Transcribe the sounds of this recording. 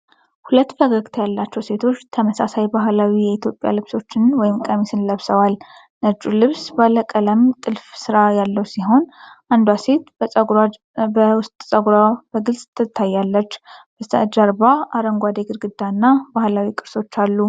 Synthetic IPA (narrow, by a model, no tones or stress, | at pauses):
hulət̪ːbəɡəɡʼt̪ʰjalːat͡ʃːɛwse̞t̪ʰo̞t͡ʃːt̪ʰəməsasajbaɦlawijɛit̪ʰjo̞pʼja̰lɨβso̞t͡ʃːɪnwɔjɪmkʼəmisɨnləβsəwal | nəd͡ʒulɨβsbaləkʼələmt̪ʼɨlfsɨɾajalːəwsiɦo̞nʔand̪wase̞t̪ | wʊst̪ʼsʼəɡɾab̥əɡɨlsʼt̪ʰːɨt̪ʰːajːalːət͡ʃːbə̰d͡ʒaɾbaʔaɾəŋɡʷad̪eɡɨɾɡɨd̪ːanːabahlawikʼɨɾso̞t͡ʃːalːu